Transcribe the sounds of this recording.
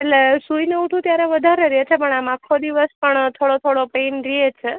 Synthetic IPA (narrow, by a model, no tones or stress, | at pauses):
eʈlesuineuʈʰũt̪jaɾeʋəd̪ʱaɾeɾijet͡ʃʰepəɳamakʰːod̪iʋəspəɳt̪ʰoɽot̪ʰoɽopenɾiet͡ʃʰe